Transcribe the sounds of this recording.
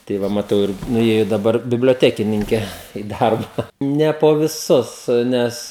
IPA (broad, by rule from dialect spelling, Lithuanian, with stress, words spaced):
tɐɪ ˈʋɐ mɐˈtɐʊ ɪr nʊˈeːjʊ dɐˈbɐr bʲɪbʲlʲoːˈtʲæːkʲɪnʲɪŋʲkʲɛ ɪ ˈdɐrbɐ ˈnʲɛ poː ʋʲɪˈsʊs ˈnʲɛs